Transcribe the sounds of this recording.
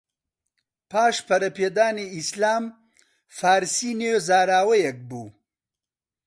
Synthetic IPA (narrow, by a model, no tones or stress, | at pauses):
paːʃpɐɾɐped̪aːneislaːm | faːɾsinezaːɾaːwɐjɐk̚buː